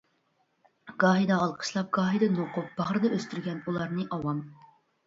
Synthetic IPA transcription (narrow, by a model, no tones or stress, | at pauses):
ɡɑːɦid̪ɑːlˠqʰə̥ʃlˠɑp̚ɡ̥ɑːɦid̪ɑnoqʊp̚b̥ɑʁɾɨd̪ɑøst̪yɾɡʲɛnulˠɑɾnɨʔɑwɑm